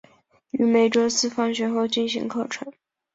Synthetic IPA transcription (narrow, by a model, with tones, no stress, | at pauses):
y˧˥me˨˩ɪʈ͡ʂo˥ʊsɹ̩˥˩fɑ˥ŋɕɥɛ˧˥nxo˥˧ʊt͡ɕi˥˩nɕḭ˧˥ŋkʰɤ˥˩ʈ͡ʂʰɤ˧˥˦ŋ